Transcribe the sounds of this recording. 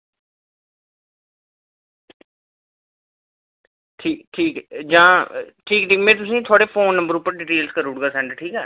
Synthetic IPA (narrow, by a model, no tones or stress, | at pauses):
ʈʰiːkʈʰiːkd͡ʒãːʈʰiːkʈʰiːkmẽːt̪̬ʊsĩːt̪ʰoaːɽeːpʰoːnːə̃mbəɾʊpːəɾɖɪːʈeːlskəɾuːɽɡaːsɛ̃ɳɖʈʰiːkɛː